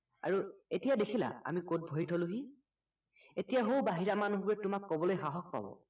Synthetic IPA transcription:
a̰ɹuetijadekʰila̰a̰mikot̚bʱoitʰɔluɦi | etijaɦowbaɦiɹamanuɦbuɹɛtʊmakːɔbɔlojxaɦɔk̚pa̰bɔ̰

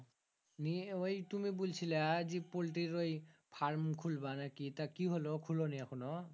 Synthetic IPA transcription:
niojtumibult͡ɕʰilazipolʈiɾojpʰaɹmkʰulbanakit̪akiɦolokʰuloniakʰunɔ

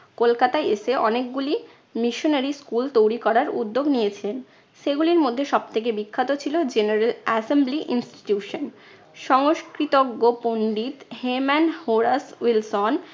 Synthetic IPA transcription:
kolkat̪aeeʃeʔɔnekɡuli | miʃonaɾiskult̪owɾikɔɾaɾṵd̪ːoɡnijet͡ɕʰilen | ʃeɡuliɾmod̪ʱːeʃɔb̚t̪ʰek̬ebikʰːat̪ot͡ɕʰilod͡ʑeneɾelɛsembliʔinsʈi̥ʈjuʃon | ʃɔŋoʃkɾit̪oɡːoponɖit̪hemanhoɾaswilson

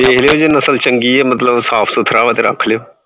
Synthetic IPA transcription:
eːɦleoːd͡ʒenəsəlt͡ʃəŋɡiːɛːmət̪ləbsaːpʰsʊt̪ʰɾaːʋət̪eɾə̰kʰleoː

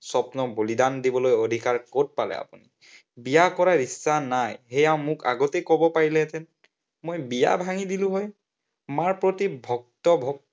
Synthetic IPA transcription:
sɔpnɔbolidandibɔlojodʱikaɹkot̚palɛ̰a̰puni | bijakɔɹaɹisːanajɦɛjaʊ̃mʊka̰ɡɔtejkɔbɔpaɹilɛtɛn | mojbija̰bʱaŋidilʊ̃ɦɔj | maɹpɹotibʱɔk̚tɔbʱɔk̚

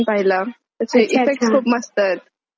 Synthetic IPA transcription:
npaɦila | t̪əseʔifek̚ʈskʰupməst̪ət̪̚

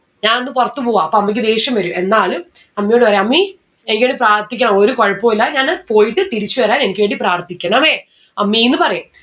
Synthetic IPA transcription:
ɲaːnonːɨpurɐt̪ːupoːaɐpːoːɐmːɐk̬ʲːɨd̪e̞ːɕjɐmʋɐɾume̞nːaːlum | ɐmːijoɳɖɨpɐrejɐmːi | enikːʋeːɖiɨpraːrt̪ikʲːɐɳɐmoɾukoɻɐpːoːilːaɲaːnpo̞ːjiʈːɨt̪iɾit͡ɕːuʋɐɾaːne̞nikʲːɨʋeːɳɖipraːrt̪ikʲːɐɳɐmeː | ɐmːiinːɨpɐrɐjum

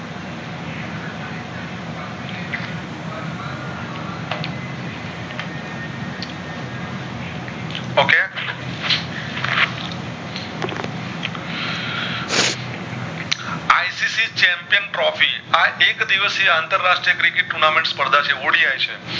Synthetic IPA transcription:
oke | ajsisit͡ʃɛmpijənpɾɔfiaʔekd̪iʋəseant̪əɾːasʃʈɾijəkɾikɪʈ̚ʈunamẽɳʈspəɾd̪ʱat͡ʃʰeʋoɽiajt͡ʃʰe

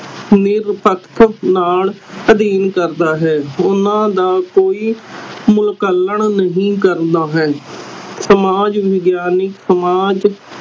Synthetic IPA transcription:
nɪɾpəkt̪ʰnaːləd̪iːnkəɾd̪aːɦɛːʊnãːd̪aːkoːiːmʊlkəlːəɳnəɦĩːkəɾd̪aːɦɛːsəmaːd͡ʒʋɪɡjaːnɪksəmaːd͡ʒ

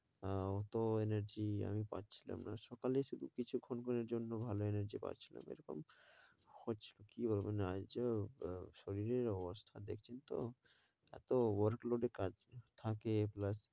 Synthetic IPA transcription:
ɔt̪oeneɾd͡ʑia̰mipa̰tːt͡ɕʰila̰mnaʃɔkaleʃud̪ʱukit͡ɕʰukʰonkʰoneɾd͡ʑonːobʱaloeneɾd͡ʑipa̰tːt͡ɕʰi̥la̰mḛɾoko̰m | hotːt͡ɕʰi̥lokibolbenad͡ʑ | ʃoɾiɾeɾɔbost̪ʰad̪ekʰt͡ɕʰent̪o̰ | ɛ̰t̪owoɾkloɖekad͡ʑt̪ʰakeplas

